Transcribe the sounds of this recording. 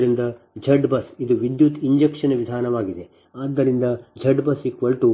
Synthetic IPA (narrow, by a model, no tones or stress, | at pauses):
ɾind̪ɐ | d͡ʒʱɐɖbɐsid̪uʋid̪jut̪iɲd͡ʒekʂɐnʋid̪ʱaːnɐʋaːɡid̪e | aːd̪ːɐɾind̪ɐd͡ʒʱɐɖbɐsikʋɐlʈu